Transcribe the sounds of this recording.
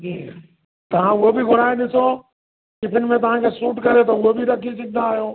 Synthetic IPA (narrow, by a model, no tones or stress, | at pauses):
d͡ʒiː | t̪ɐʋ̤ãʊɦobɪɡʱʊɾaːenɪso | kɪpʰɪnmẽt̪ɐʋ̤ãkʰeːsuːʈkɐɾet̪̬ɐʊɦobɪɾɐkʰisɐɡʱɪnd̪aːɦijoː